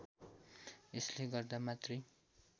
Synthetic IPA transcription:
esleɡʌrd̪amat̪rʌj

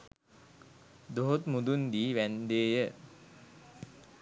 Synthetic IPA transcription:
d̪oɦot̪mud̪und̪iːʋænd̪eːjə

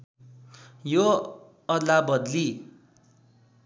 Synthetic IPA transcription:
jo | ʌd̪labʌd̪li

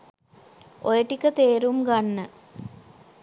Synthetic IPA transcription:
ojeʈːikʲːɐt̪eːɾumkɐɳːɨ

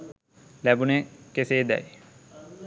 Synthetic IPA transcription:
læbunekeseːd̪ɛ̰j

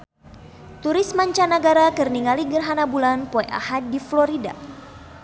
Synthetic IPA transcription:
t̪uɾismaɲt͡ʃanaɡaɾakɨrniŋaliɡərɦanabulanpɔeʔa̰hat̚diflɔɾida̰

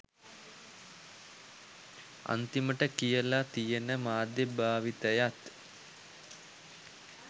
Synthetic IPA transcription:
a̰nt̪iməʈəkijəlat̪ijenəmaːd̪jebʱaːʋit̪əjat̪

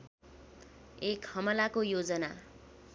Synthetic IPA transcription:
ekhʌmʌlakojod͡zʌna

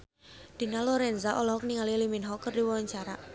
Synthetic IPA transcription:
d̥i̤nalɔɾɛnzaʔɔlɔɦɔk̚niŋaliliminɦɔkːərdiwɔwaɲt͡ʃaɾa

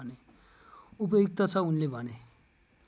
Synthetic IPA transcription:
ne | up̬ʌjok̚t̪ʌt͡sʰʌunlebʱʌne

